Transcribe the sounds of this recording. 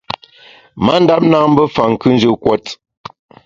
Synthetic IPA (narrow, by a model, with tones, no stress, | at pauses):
ma˦n̩˦da˦p̚na˦ŋm̩˦bə˦fa˨ŋ̩˨kʉ˦n̩˦d͡ʒə˦˨kwɔ˦t